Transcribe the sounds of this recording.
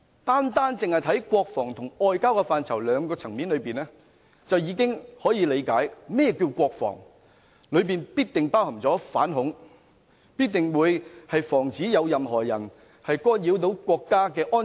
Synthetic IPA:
t̪aː˥nt̪aː˥nt͡sɪ˨ŋhɐ˨jt̪ʰɐ˨˥jkʷɔː˧k̚fɔː˨˩ŋt̪ʰʊ˨˩ŋɔː˨˧jkaː˥wkɛ˧faː˨˧nt͡sʰɐ˨˩wlœː˨˧ŋkɔː˧t͡sʰɐ˨˩ŋmiː˨˥nlɵ˨˧piː˨nɛː˥ | t͡sɐ˨wjiː˨˧˥kɪ˥ŋhɔː˨˥jiː˨˧le˨˧jkaː˨˥jmɛː˥jɛː˨˧ki˧wkʷɔː˧k̚fɔ̰ː˨˩ŋ | lɵ˨˧ɥpiː˨npiː˥t̚t̪ɪ˨ŋpaː˥whɐ˨˩t͡sɔː˨˥fa̰ː˨˥nɦʊ˨˥ŋ | piː˥t̚t̪ɪ˨ŋwuː˨˧jhɐ˨jfɔː˨˩ŋt͡siː˨˥jɐ˨˧wjɐ˨mɦɔː˨˩jɐ˨˩n | hɐ˨jkɔː˥njiː˨˥wt̪̬o˨˥wkʷɔː˧kːaː˥kɛː˧ʔɔː˥n

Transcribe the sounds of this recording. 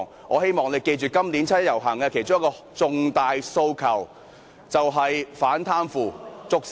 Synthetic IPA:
ŋ | ŋʔɔ̰ː˨˧ɦe˥jmɔː˨ŋle˨˧jke˧jt͡ʃyː˨kɐ˥mli˨˥nt͡sʰɐ˥jɐ˨˩wɦɐ˨˩ŋɐ˧kʰe˨˩jt͡ʃʊ˥ŋjkɔː˧ | t͡sʊ˨˧ŋt̪aː˨jso˧wkʰɐ˨˩w | t͡sɐ˨wɦɐ˨jfaː˨˥nt̪ʰaː˥nfuː˨˧t͡sʊ˨k̚s

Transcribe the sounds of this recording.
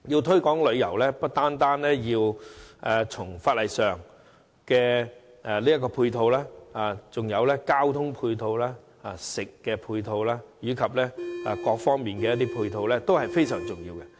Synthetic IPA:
jiː˧wt̪ʰɵ˥kɔː˨˥ŋlɵ˨˧ɥjɐ̰˨˩wlɛː˥pɐ˥t̚t̪aː˥nt̪aː˥nlɛː˥jiː˧wʔɛː˨t͡sʰʊ˨˩ŋfaː˧t̚lɐ˨jsœː˨˩ŋ | kɛː˧ | ʔɛ˨liː˥jɐ˥kːɔː˧pʰuː˧jt̪ʰo˧wlaː˥aː˨˩t͡sʊ˨ŋjɐ˨˧wlɛː˥kaː˥wt̪ʰʊ˥ŋpʰuː˧jt̪ʰo˧wlaː˥ | aː˨˧sɪ˨kːɛː˧pʰuː˧jt̪ʰo˧wlaː˥jyː˨˥kʰɐ˨p̚lɛ˥a˨˧kɔː˧k̚fɔː˥ŋmiː˨˩nkɛ˧jɐ˥t̪i˥pʰuː˧jt̪ʰo˧wlɛː˥t̪o˥whɐ˨jfe˥jsœː˨˩ŋt͡sʊ˨ŋjiː˧wkɛ˧

